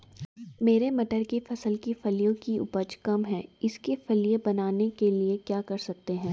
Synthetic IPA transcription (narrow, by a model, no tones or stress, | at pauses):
meːɾemɐʈəɾkifɐsəlkifɐlijõkiʊ̰pəd͡ʒkɐmɦɛ̃ːɪskefɐlijebɐnaːnekeliekjaːkɐɾsɐk̚t̪eɦɛ̃ː